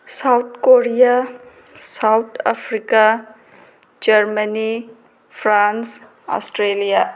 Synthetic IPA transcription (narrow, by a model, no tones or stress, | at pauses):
sawt̪̚ʰkoɾija | sawt̪ʰa̰pʰɾika | d͡ʒɐɾməni | pʰɾans | ɔ̰sʈɾelija